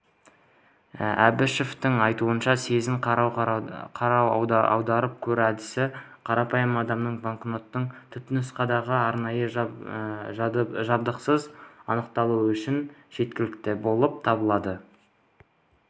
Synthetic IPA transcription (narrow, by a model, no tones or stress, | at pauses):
æ̰bɪʃeft̪ɪŋɑjt̪uənʃɑse̞zɪŋ | qʰɑɾɑw̰̪ɑ̰wd̪ɑɾəp̚kʲʰɵɾæd̪ɪsɪ | qʰɑɾɑpɑjəmɑd̪ɑmnəɴbaɴkno̞t̪ːəɴt̪ʰʏt̪ɪnɪsqɑd̪ɑʁəɑɾnɑjə | ʒɑbd̪əqsəzɑnəqt̪ɑlˠuʏʃɪnʒ̥e̞t̪kʲɪlɪkt̪ɪbo̞lˠəp̚t̪ʰɑbəlˠɑd̪ə